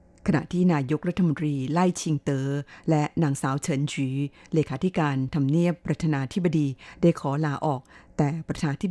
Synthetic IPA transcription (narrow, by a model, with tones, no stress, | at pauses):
kʰa˧na̰˨˩ʔt̪ʰiː˥˩naː˧jo˦˥k̚ɾa˥t̪ʰːa˧mo˧nt̪ɾiː˧la˥˩jt͡ɕʰi˧ŋt̪ɤː˧lɛ˦˥naː˩˦ŋsaː˩˦wt͡ɕʰɤ˩˦nt͡ɕiː˩˦leː˧kʰaː˩˦t̪ʰi˦˥kaː˧nt̪ʰa˧mni˥˩əpːɾa˧t̪ʰaː˧naː˧t̪ʰi˦˥ba˧diː˧daː˥˩jkʰɔː˩˦laː˩˦ʔɔː˨˩k̚t̪ɛː˨˩pɾa˧t̪ʰaː˧t̪ʰi˦˥